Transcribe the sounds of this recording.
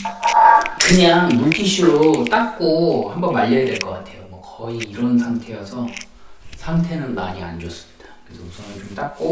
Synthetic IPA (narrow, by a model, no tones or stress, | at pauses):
kɯɲaŋmuɭtʰiɕʰiɾot͈ak̚k͈ohambʌnmaʎːʌjadwe̞ɭk͈ʌk͈atʰe̞jomwʌkʌiiɾʌnsʰaŋtʰe̞jasʰʌ | sʰaŋtʰe̞nɯnmaɲia̰nd͡ʑos͈ɯ̥mid̥ḁkɾesʰʌusʰʌnɯnt͡ɕomt͈ak̚k͈o